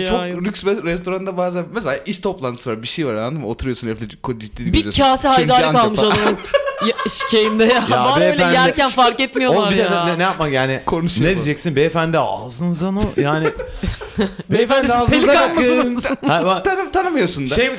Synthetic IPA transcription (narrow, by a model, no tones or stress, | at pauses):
t͡ʃʰokɾykʲsbɛɾɛst̪ʰo̞ɾand̪abaːzænmɛs̬elʲaʔiʃt̪ʰo̞plˠant̪ʰɯsɯvaɾbiʃejvaɾand̪ɯmot̪ʰuɾujo̞sunɛflʲɛkʰod͡ʒit̪ːiːibicʰaːsiɦajd̪aːakalˠmɯʃalˠabɯjaʃʃejimd̪ɛjajabaɛøjlʲænjæɾcænfaɾkɛt̪mijooabiɾjeaɛɛnejapmamjaːnɪkʰonuʃned̪id͡ʒɛcsinbɛːfænd̪ɛa̰zɯnunzanojaːnɪ | befænd̪ɛsipelʲikaalkmasɯnhabat̪ʰanmt̪ʰanɯmɯjosund̪aʃejim